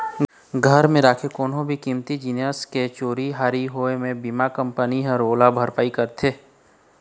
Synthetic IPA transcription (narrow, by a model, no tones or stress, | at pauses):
ɡʱəɾmẽɾaːkʰekoːnɦõbʱikiːmt̪id͡ʒiːnjəsket͡ʃoːɾiɦaːɾiɦoemẽbiːmakə̃mpəniɦəɾoːlabʱəɾpaːikɐɾt̪ʰeː